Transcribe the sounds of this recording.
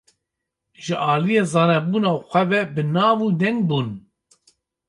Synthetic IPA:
ʒɨʔɑːlijeːzɑːnɛbuːnaːxʷɛvɛbɨnɑːvuːd̪ɛŋɡ̚buːn

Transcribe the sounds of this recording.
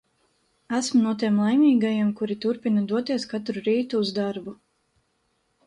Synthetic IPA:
æsmunuɔt̪̬iɛmlˠajmʲiːɡajamkuɾit̪uɾpinɐd̪uɔt̪iɛskat̪ɾuɾiːt̪uːzd̪aɾbu

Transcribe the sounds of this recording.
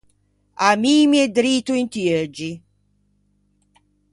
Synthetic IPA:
amiːmiɛd̪ɾiːt̪uint̪ied͡ʒi

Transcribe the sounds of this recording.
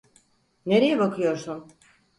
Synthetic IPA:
ne̞ɾejɛbakʰɯjo̞ɾsun

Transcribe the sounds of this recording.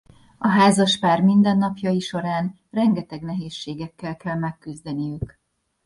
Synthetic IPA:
ɒɦaːzɒʃpaːrmind̪ɛnːɒpjɒjiʃo̞ɾaːn | rɛŋɡɛt̪ɛɡnɛɦeːʃːeːɡɛkːɛlkɛlmɛkːyzd̪ɛnijyk

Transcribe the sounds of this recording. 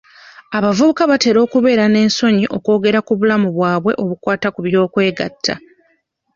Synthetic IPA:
aβavuβukaβate̞ːɾo̞ːkuβe̞ːɾane̞ːnso̞ɲiʔo̞ko̞ːɡe̞ɾakuβulamuβwaːβwe̞ʔo̞βukwaːtakuβjo̞ːkwe̞ːɡa̰tʰːa̰

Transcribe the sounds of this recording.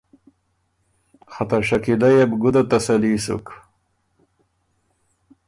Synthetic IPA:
xat̪aɕakilajabɡʊd̪at̪asalisṵk

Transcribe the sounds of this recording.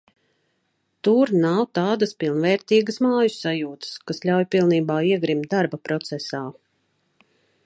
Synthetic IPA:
t̪uɾnawt̪aːd̪əspilˠnvɛːɾt̪iːɡəsmaːjusajuːt̪ə̥skasʎʲawjpilˠniːbaːiɛɡɾimt̪̚d̪aɾbapɾɔt̪sɛsaː

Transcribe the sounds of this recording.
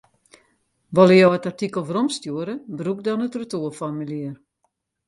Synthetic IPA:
ʋɔləjowətartikəl̩ˠʋəɾɔmstjuəɾəbruk̚dɔnətrətuəfɔmiliər

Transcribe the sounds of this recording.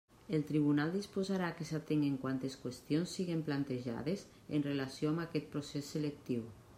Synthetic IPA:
elt̪ɾiβ̞unalˠd̪ispozaɾaːkesat̪eŋɡeŋkwant̪eskwest̪ijonsːiɣemplant̪eʒa̰ðes | ḛnrelasjoamakɛt̪̚pɾosesːelek̚t̪iw

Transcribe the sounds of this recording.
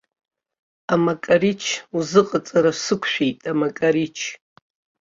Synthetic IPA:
amakʼaɾit͡ʃʰuzɨqʼat͡sʼaɾasɨkʷʰʃᶣejtʼamakʼaɾit͡ʃʰ

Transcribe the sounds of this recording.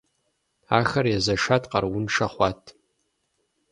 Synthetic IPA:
axɐrjazaʂatʰʼqʼɐrwʊnʂaχʷatʰ

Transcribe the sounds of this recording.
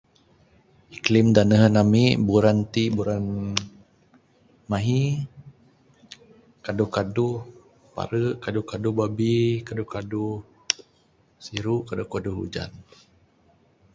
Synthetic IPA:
iklimdanəɦənamiʔbuɾant̪ibuɾan | maɦi | kadʊhkaduh | pa̰ɾəʔkaduhkadʊhbabikadukadu | siɾuʔkadʊhkaduɦṵd͡ʒa̰n

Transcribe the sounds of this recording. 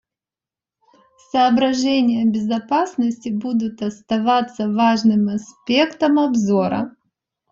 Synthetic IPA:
sɐːbɾɐʐɛnʲɪjəbʲɪzɐpasnəsʲtʲɪbud̪ʊt̪ɐst̪ɐvat̪sːəvaʐnɨmɐspʲe̞kt̪əmɐbzo̞ɾə̰

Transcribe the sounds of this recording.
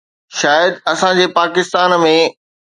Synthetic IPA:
ʃaːjəd̪ɐsãd͡ʑeːpaːkɪst̪aːnmẽ

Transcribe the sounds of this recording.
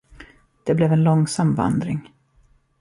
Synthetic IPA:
d̪̥ɛblɛvɛnlɔŋsamva̰nd̪ɾɪŋ

